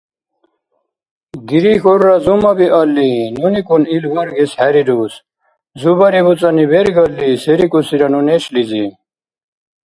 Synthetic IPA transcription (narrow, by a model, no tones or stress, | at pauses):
ɡiɾixoɾːazumɐbiʔɐlːinunikunilɡɐɾɡeshæɾiduːs | zubɐɾibut͡sɐnibeɾiɡʌlːiseɾikusiɾɐnuneɕlizi